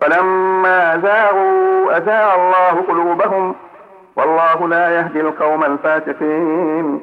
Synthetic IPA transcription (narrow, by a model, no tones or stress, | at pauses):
falamːaːʔazaːɣuʔazaːʕalˤːɑːhʊqʊluːbaɦʊm | wɑlˤːɑːɦʊlaːjaɦd̪ɪlqɑwmalfaːsɪqiːn